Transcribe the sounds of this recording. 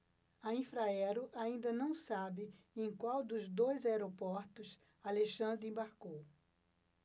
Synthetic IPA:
ɐĩfɾaɛɾʊʔaĩnd̪ɐnɐ̃w̃sabɪ | ẽj̃kwawd̪ʊzd̪ojzaeɾopɔɾt̪ʊs | aleʃɐ̃nd̪ɾɪẽbaɾkow

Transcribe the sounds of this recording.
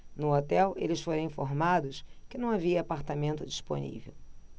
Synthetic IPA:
nʊot̪ɛwelɪsfoɾɐ̃ĩfoɾmad̪ʊskɪnɐ̃w̃aviɐːpaɾt̪amẽnt̪ʊd͡ʒispo̰nḭvḛw

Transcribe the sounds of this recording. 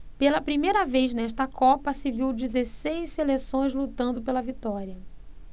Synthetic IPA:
pelɐpɾimejɾɐvejznɛʃt̪ɐkʰɔpɐsɪviwd͡ʒizesejsselesõj̃zlut̪ɐ̃nd̪ʊpelɐvit̪ɔɾiɐ

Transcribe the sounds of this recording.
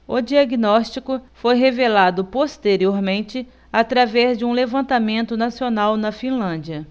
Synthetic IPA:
ʊd͡ʒiaɡnɔst͡ʃikʊfojɦevelad̪ʊpost̪eɾioɾmẽnt͡ʃɪ | at̪ɾavɛzd͡ʒɪũlevɐ̃nt̪amẽnt̪ʊnasionawnɐfĩlɐ̃d͡ʒiɐ

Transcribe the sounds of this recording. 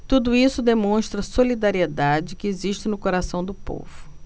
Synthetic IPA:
t̪ud̪ʊisʊd̪emõʃt̪ɾɐsolid̪aɾied̪ad͡ʒɪkɪeziʃt͡ʃɪnʊkoɾasɐ̃w̃d̪ʊpo̰vʊ

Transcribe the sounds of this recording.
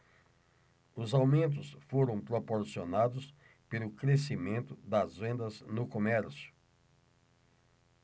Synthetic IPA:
ʊzawmẽnt̪̬ʊsfoɾɐ̃w̃pɾopoɾsionad̪ʊs | pelʊkɾesimẽnt̪ʊd̪ɐzvẽnd̪ɐznʊkomɛɾsjʊ̥

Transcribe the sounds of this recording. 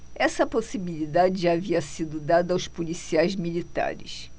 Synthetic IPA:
ɛsɐposibilid̪ad͡ʒɪʒaaviɐsid̪ʊd̪ad̪ɐawspolisiajzmilit̪a̰ɾɪ̰s

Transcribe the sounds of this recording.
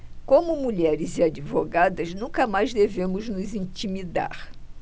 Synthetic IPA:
kõmʊmuʎɛɾɪziad͡ʒivoɡad̪ɐznũkɐmajzd̪evẽmʊznʊzĩt͡ʃimid̪a̰ɾ

